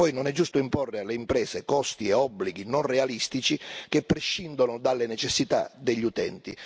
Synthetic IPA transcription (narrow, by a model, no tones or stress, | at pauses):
ɔjnonɛd͡ʒːust̪ʊimporːɪalːeimpɾɛːsekɔst̪iɛɔbːliɡinɔnrealist̪it͡ʃikepːɾɛʃːind̪onʊd̪alːenɛt͡ʃɛsːit̪a̰d̪ɛʎːiut̪ɛ̰nt̪i